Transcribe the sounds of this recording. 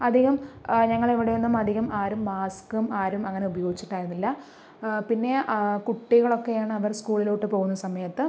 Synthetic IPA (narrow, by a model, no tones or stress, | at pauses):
ɐd̪ʱiɣɐmɲɐŋːɐɭeʋiɽejenːumɐd̪ʱiɣɐmaːɾumːaːskumaːɾumɐŋːɐne̞ubɐjo̞ːɡit͡ɕːi̥ʈːaːjiɾunːilːɐ | pinːe̞kuʈːiɣɐɭo̞kːe̞jaːɳɨɐʋɐrskuːɭiloːʈːɨpo̞ːɣunːɐsɐmɐjɐt̪ːɨ